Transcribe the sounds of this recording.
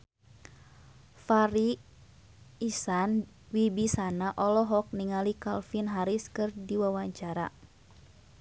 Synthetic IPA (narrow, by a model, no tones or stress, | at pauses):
faɾi | san | wibisanaʔɔlɔɦɔk̚niŋalikalfinɦaɾiskɨrdiwawaɲt͡ʃaɾa̰